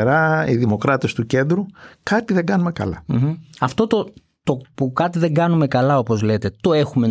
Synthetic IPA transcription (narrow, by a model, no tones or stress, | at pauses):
ɾɐiðimo̞kɾɐt̪e̞st̪uce̞nd̪ɾukɐt̪iðeŋɡɐnume̞kɐ̰lɐm̩m̩ɐft̪o̞t̪o̞ | t̪opukɐt̪iðe̞ŋɡɐnume̞kɐlɐo̞po̞zle̞t̪e̞t̪o̞e̞xume̞